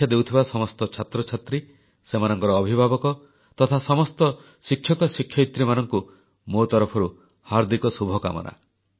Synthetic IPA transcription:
jad̪ewt̪ʰibasɔmɔst̪ɔt͡ʃʰat̪ɾɔt͡ʃʰat̪ɾi | semanɔŋkɔɾɔːbʱibʱabɔkɔ | t̪ɔt̪ʰasɔmɔst̪ɔ | sikʰːjɔkɔsikʰjɔit̪ɾimanɔŋku | mot̪ɔɾɔpʰɔɾu | haɾd̪ikɔsubʱɔka̰mɔ̰nʔa̰

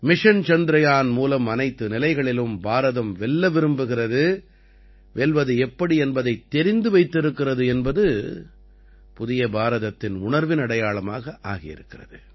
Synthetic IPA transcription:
mɪʂɐnt͡ʃɐnd̪ɪɾɐjaːnmuːlɐmɐnɐɪt̪ːɯnɪlɐɪɣɐɭɪlɯmbaːɾɐðɐmʋɛɭːɐʋɪɾɯmbɯɣɪrɐðɯ | ʋɛɭʋɐðɯɛpːɐɽiɛnbɐðɐɪt̪ːɛɾɪnd̪ɯʋɐɪt̪ːɪɾɯkːɪrɐðɯɛnbɐðɯ | pʊðɪjɐbaːɾɐðɐt̪ːɪnʊɳɐɾʋɪnɐɽɐjaːɭɐma̰ːɣɐʔa̰ːɣɪjɪ̰ɾɯkːɪrɐ̰ðɯ

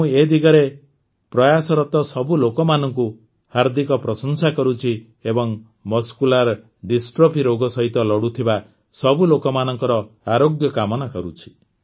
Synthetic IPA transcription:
ũed̪iɡɔɾe | pɾɔjasɔɾɔt̪ɔsɔbulokɔmanɔŋku | haɾd̪ikɔpɾɔsɔnsakɔɾut͡ʃʰi | ebɔŋ | mɔskulaɾ | ɖisʈɾopiɾoɡɔsɔɦit̪ɔlɔɽut̪ʰiba | sɔbulokɔmanɔŋkɔɾɔaɾoɡjɔkamɔnakɔɾut͡ʃʰi̥

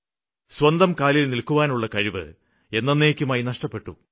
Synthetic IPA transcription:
swɐnd̪ɐmkaːlilnilkuʋaːnuɭːɐkɐɻiʋɨ̰ | e̞nːɐnːeːkʲːumaːjinɐʂʈɐpːe̞ʈːṵ

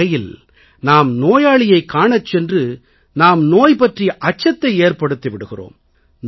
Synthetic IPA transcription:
ɐjɪl | naːmnoːjaːɭɪjɐɪkːaːɳɐt͡ʃːɛndrɯ | naːmnoːjpɐʈrɪjʔɐt͡ʃːɐt̪ːɐɪeːrpɐɽɯt̪ːiʋɪɽɯɣɪro̰ːm | n

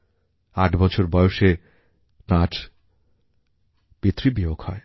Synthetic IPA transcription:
aʈbɔt͡ɕʰoɾbɔjoʃe | ʈaʈ | b̥it̪ːɾibiokhɔe

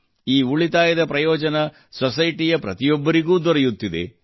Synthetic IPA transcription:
iːuɭit̪aːjɐd̪ɐpɾɐjɔːd͡ʒɐnɐ | sɔsɐjʈijɐpɾɐ̰t̪ijɔbːɐɾiɡuːd̪ɔɾɐjut̪ːid̪ḛ

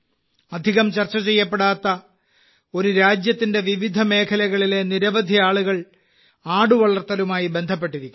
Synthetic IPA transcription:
ɐd̪ʱiɣɐmt͡ɕɐrt͡ɕːɐt͡ɕe̞jːɐpːeɽaːt̪ːɐ | o̞ɾuɾaːd͡ʑjɐt̪ːinde̞ʋiʋid̪ʱɐme̞ːkʰɐlɐɣɐɭile̞niɾɐʋɐd̪ʱijaːɭuɣɐɭ | aːɽuʋɐɭɐrt̪ːɐlumaːjibe̞nd̪ʱɐp̬ːe̞ʈːiɾikʲːum

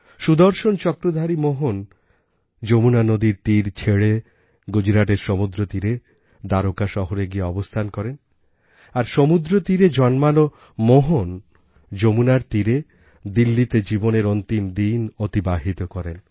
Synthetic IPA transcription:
ʃud̪oɾʃont͡ɕɔkɾod̪ʱaɾimoɦon | d͡ʑomunanod̪iɾt̪iɾt͡ɕʰeɽe | ɡud͡ʑɾaʈeɾʃomud̪ɾot̪iɾe | d̪aɾokaʃɔɦoɾeɡieɔbost̪ʰankɔɾen | aɾʃomud̪ɾot̪iɾed͡ʑɔnmano | moɦon | d͡ʑomunaɾt̪iɾe | d̪ilːit̪ed͡ʑiboneɾɔnt̪imd̪inot̪ibaɦit̪okɔɾen

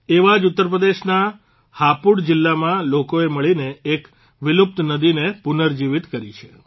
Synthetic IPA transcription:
eʋad͡ʒut̪ːəɾp̬ɾəd̪eʃna | hapuɽd͡ʒɪlːamãlokoeməɭineːk | ʋɪlup̚t̪nəd̪inepunəɾd͡ʒiʋɪt̪kəɾit͡ʃʰe̥

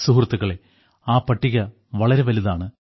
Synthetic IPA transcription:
suɦrt̪ːɐɣɐɭe̞ | aːpɐʈːiɣɐ | ʋɐɭɐɾe̞ʋɐliðaːɳɨ

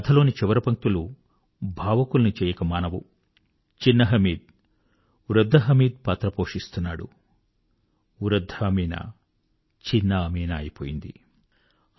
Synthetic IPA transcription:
ɐt̪ʰɐlo̞ːnit͡ʃiʋɐɾɐpɐŋk̚t̪ulu | bʱaːʋɐkulɐnit͡ʃɛːjɐkɐmaːnɐʋṵ | t͡ʃinːɐɦɐmiːd̪̚ | uɾɐd̪ʱːɐɦɐmiːd̪̚paːt̪ɾɐpoːʂist̪unːaːɽṵ | uɾɐd̪ʱːɐmiːnɐ̰ | t͡ʃinːɐɐmiːnaːjipoːjind̪ḭ

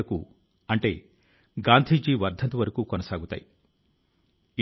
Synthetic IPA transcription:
ɐkṵ | ɐɳʈe̞ː | ɡaːnd̪ʱiːd͡ʒiːʋɐɾd̪ʱɐnt̪uʋɐɾɐkuːkɔnɐsaːɡut̪a̰ːji

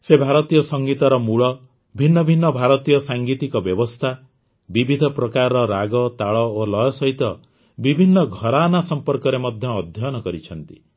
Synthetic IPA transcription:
sebʱaɾɔt̪ijɔsɔŋɡit̪ɔɾɔmuɭɔ | bʱinːɔbʱinːɔbʱaɾɔt̪ijɔsaŋɡit̪ikɔbjɔbɔst̪ʰa | bibʱid̪ʱɔpɾɔkaɾɔɾaɡɔt̪aɭɔolɔjɔsɔɦit̪ɔ | bibʱinːɔɡʱɔɾanasɔmpɔɾkɔɾemɔd̪ʱjɔːd̪ʱjɔjɔnɔkɔɾit͡ʃʰɔnt̪i

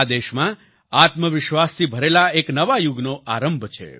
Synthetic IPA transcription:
ad̪eʃmã | at̪məʋɪʃʋast̪ʰibʱəɾelaeknəʋajuɡnoʔaɾəmbʱt͡ʃʰḛ

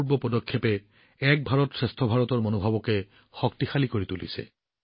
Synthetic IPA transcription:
ɹbɔpɔdɔkʰːepɛ | ɛk̚bʱaɹɔtsɹestʰɔbʱaɹɔtɔɹmonobʱabɔkɛ | xɔktixalikoɹitulḭsɛ̰

